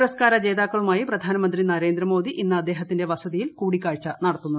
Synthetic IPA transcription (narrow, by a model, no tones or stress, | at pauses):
ɾɐskaːɾɐt͡ɕe̞ːðaːkːɐɭumaːjiprɐd̪ʱaːnɐmɐnd̪rinɐɾe̞ːnd̪ɾɐmo̞ːd̪iʔinːɐːd̪ːeːɦɐt̪ːinde̞ʋɐsɐðijilkuːɽikʲːaːɻt͡ɕːɐnɐɽɐt̪ːunːu